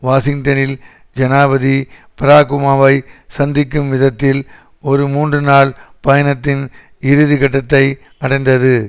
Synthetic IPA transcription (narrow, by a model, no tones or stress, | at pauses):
ʋaːsɪŋt̪ɐnɪl | d͡ʒɐnaːbɐði | pɪɾaːkʊmaːʋɐɪsɐnd̪ɪkːɯmʋɪðɐt̪ːɪl | ɔɾɯmuːndrɯnaːɭpɐjɐnɐt̪ːɪn | ɪɾɯðikɐʈːɐt̪ːɐɪ | ɐɽɐɪnd̪ɐðɯ